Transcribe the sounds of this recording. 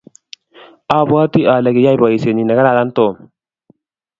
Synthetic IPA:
a˦˨ba˦t̪i˦ʔa˨la˨ɡi˨ja˦jba˨i˨se˨ni˨na˨ɡa˦ɾa˨la˦nt̪o˨

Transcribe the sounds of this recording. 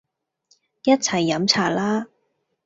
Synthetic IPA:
jɐ˥t̚t͡sʰɐ˨˩jːɐ˨˥mt͡sʰaː˨˩laː˥

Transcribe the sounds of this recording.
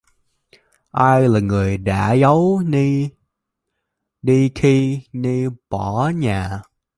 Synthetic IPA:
ʔaː˧jlaː˨˩ŋɨ˨˩əjɗa̰ː˧˥zə˨˦wni˧ | ɗi˧kʰi˧ni˧ɓɔ˧˩ɲaː˨˩

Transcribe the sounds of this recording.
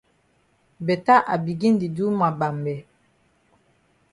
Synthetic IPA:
bɛ˨ta˦ʔa˨bi˨ɡi˦n˦di˨du˦ma˨ba˨mbɛ˨

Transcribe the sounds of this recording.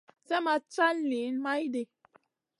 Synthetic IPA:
sɛ˦ma˦t͡ʃa˦lli˨˦nma˦jde˨

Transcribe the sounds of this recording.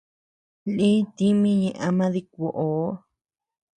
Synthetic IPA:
lĩ˦t̪i˦mĩ˦ɲẽ˧ʔa˧mã˦ði˧k̚ʷo˨ʔo˨˦

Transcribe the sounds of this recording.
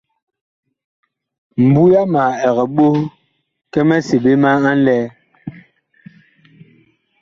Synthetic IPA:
m̩˨bu˦ja˦ma˨ɛ˨ɣɛ˨ɓo˦ | kɛ˦mɛ˦se˨be˦ma˦a˦n̩˦lɛː˦

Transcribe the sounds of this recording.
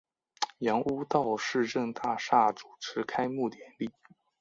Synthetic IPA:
jɑ˧˥ŋu˥t̪ɑ˥˧ʊʂɻ̩˥˧ʈ͡ʂɤ˥˧ŋt̪a˥˧ʂa˥˩ʈ͡ʂu̥˨˩ʈ͡ʂʰɻ̩˧˥kʰa˥ɪmu˥˩t̪jɛ˨˧˩nli˥˩

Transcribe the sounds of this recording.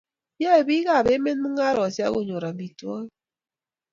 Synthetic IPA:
ja˦e˨bi˦ɣa˦˨be˦me˦n˦mɨ˦ŋa˦ɾɔ˨sja̰˦ɣo˨ɲo˨ɾa˨i˨twɔ˦n

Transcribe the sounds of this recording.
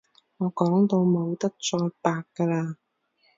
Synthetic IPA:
ŋɔː˨˧kɔː˨˥ŋt̪o˧wmo˨˧wt̪ɐ˥k̚t͡ʃɔː˧jpaː˧kːɐ˧laː˧

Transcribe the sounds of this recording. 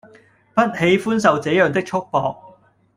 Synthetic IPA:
pɐ˥t̚he˨˧˥jfuː˥ns̬ɐ˨wt͡sɛː˨˥jœː˨ŋt̪̬ɪ˥k̚t͡ʃʰʊ˥k̚pɔː˨k̚

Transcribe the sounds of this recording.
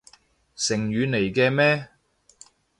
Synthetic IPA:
sɪ˨˩ŋjyː˨˧ne˨˩jkɛː˧mɛː˥

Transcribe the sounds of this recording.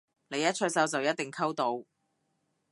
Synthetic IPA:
le˨˧jɐ˥t̚t͡ʃʰɵ˥sɐ˨˥wt͡sɐ˨wjɐ˥t̚t̪ɪ˨˩ŋkʰɐ˥wt̪o˨˧w

